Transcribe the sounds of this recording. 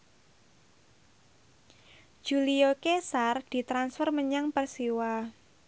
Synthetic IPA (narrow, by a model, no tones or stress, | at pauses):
d͡ʒ̥uliokesard̪̥i̤t̪ɾansfərməɲaŋpərsiwa